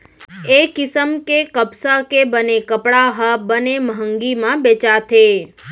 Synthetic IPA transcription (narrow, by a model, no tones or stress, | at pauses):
ekɪsəmkekəpsakebənekəpɽaɦəbəneməɦəŋɡimãbet͡ʃat̪ʰe